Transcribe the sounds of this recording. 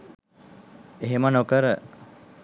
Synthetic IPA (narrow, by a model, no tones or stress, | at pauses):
eɦemənokəɾə